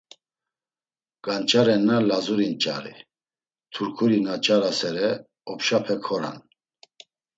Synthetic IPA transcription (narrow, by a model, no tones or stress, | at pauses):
kʼant͡ʃʼaɾɛnːalazuɾint͡ʃʼaɾḭ | t̪ʰuɾkʰuɾinat͡ʃʼaɾasɛɾɛ | ɔpʃapʰɛkʰɔɾa̰n